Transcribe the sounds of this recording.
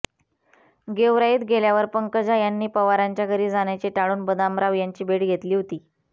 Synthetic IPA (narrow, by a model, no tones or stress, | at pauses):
ɡeʋɾaiːt̪ɡeljaʋəɾpəŋkəd͡ʑajanːiːpəʋaɾaɲt͡ɕjaɡəɾiːd͡zaɳjat͡ɕeʈaɽuːnbəd̪amɾaʋjaɲt͡ɕiːbeɽɡʱet̪liːɦot̪iː